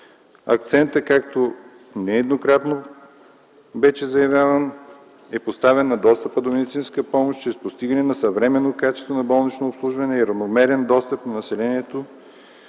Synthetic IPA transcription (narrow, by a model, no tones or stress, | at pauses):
ɐ̰k̚t̪sɛnt̪əkak̚t̪o | nɛɛd̪nokɾat̪no | bɛʃɛzɐjɐvʲjavɐn | ɛpost̪avɛnːɐd̪ɔst̪əpəd̪omɛd̪it̪sinskəpɔmoʃt͡ʃɾɛspost̪iɡɐnɛnɐsɐvɾɛmɛnːokat͡ʃɛ̥st̪vonɐbɔlˠnit͡ʃnoːpslˠuʒvɐnɛiɾɐvnomɛɾɛnd̪ɔst̪əpnɐnɐsɛlɛniɛt̪o